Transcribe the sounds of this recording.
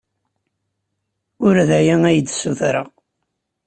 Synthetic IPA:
ʊɾðæjæŋæjəd̪suθɾəʁ

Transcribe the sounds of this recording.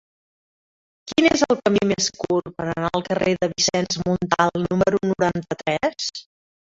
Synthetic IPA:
kinezəlˠkəmimeskurpəɾənaəlˠkəreðəβisɛnzmunt̪alˠnuməəɾunuɾant̪ət̪ɾɛs

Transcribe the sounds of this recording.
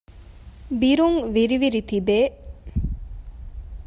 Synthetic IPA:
biɾuŋʋiɾiʋiɾit̪ibeː

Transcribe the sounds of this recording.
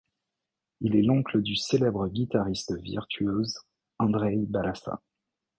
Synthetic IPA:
ilɛlɔ̃kləd̪yselɛbʁəɡʲit̪aʁist̪vḭʁt̪ʰyøz | ɑ̃d̪ʁɛjbalasa̰

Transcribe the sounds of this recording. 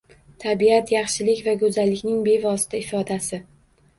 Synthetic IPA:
t̪ʰabiat̪jɑχʃɪlɪkʲvaɡɵzalːɪkʲnɪŋbe̞vɒsɪ̥t̪ʰaɪfɒd̪asɪ

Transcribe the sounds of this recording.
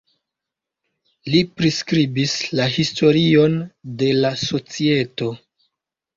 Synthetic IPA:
lipɾiskɾibislaɦisto̞ɾio̞nde̞laso̞t͡sie̞to̞

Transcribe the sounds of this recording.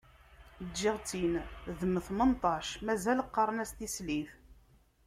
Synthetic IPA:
iʁt͡sinðəmθmənt̪ˤɑʃmæzæləqːɑɾˤənæst̪isliθ

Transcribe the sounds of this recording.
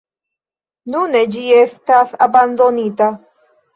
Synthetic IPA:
nuned͡ʒiest̪asaband̪o̞nit̪a

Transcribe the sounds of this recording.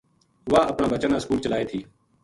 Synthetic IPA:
ʋaːəpnaːbət͡ʃənaːskuːlt͡ʃəlaːeːt̪ʰiː

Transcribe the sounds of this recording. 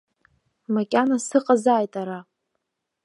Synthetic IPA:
makʲʼanasɨqʼazaːjtʼaɾa

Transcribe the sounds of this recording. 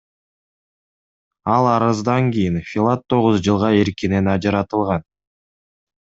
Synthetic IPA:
ɑlˠɑɾɯzd̪ɑŋɡijinfʲɪlˠat̪ʰːo̞ʁuzd͡ʒɯlˠʁɑeɾkine̞nɑd͡ʒɑɾɑt̪ɯlˠʁɑn

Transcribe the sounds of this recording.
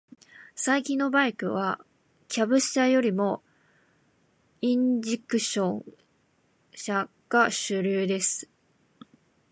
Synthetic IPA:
saikʲĩnːobaikɯ̟β̞a | kʲʰabɯ̟ɕajo̞ɾʲimo̞ | ĩɲd͡ʑikɯ̟ɕõ̞ŋ | ɕa | ɡ̥aɕɨɾʲɨːd̪e̞sɨ̥

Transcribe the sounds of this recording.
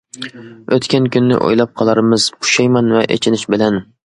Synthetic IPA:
øt̪kʲɛnkʲynːɪ̰ʔo̰jlˠɑp̚qʰɑlˠɑɾmɨz̥kʰʊ̥ʃɛjmɑnvɛʔḛt͡ʃʰɪnɪʃbɪlɛn

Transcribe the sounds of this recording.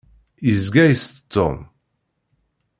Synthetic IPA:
izɡæjst̪t̪ːo̰m

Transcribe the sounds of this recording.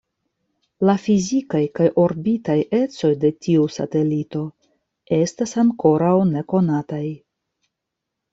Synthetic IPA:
lafizikajkajʔo̞ɾbitaje̞t͡so̞jde̞tʰiusa̰te̞lito̞ | e̞stasaŋko̞ɾawne̞ko̞nataj

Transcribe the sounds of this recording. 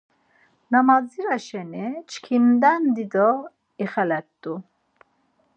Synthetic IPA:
namaziɾaʃɛnit͡ʃkʰind̪ɛnd̪id̪ɔ | iχɛlɛt̪d̪u

